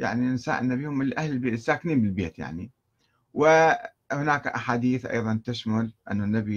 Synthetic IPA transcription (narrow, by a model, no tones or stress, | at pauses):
ja̰ʕninsa̰ːʔɪnːabiːhʊmʔɪlʔahlɪlbeːsːaːkniːmbɪlbeːt̪ja̰ʕni | wɪ | hʊnaːkʔaħaːd̪iːθʔɑ̰jðˤɑnt̪ɪʃmʊlʔɪ̰nːanːabi